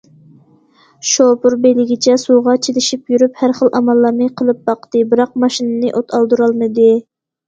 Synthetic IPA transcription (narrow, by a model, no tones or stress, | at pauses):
ʃopuɾbejlɪɡʲit͡ʃʰɛsuʁɑt͡ʃʰelɪʃipjyɾyphæɾχəlˠʔɑmɑlˠːɑɾmɨqʰəlˠɨp̚bɑqt̪ɨbɨɾɑq̚mɑʃinɨnɨʔot̪ʰɑlˠd̪uɾɑlˠmɨd̪ɨ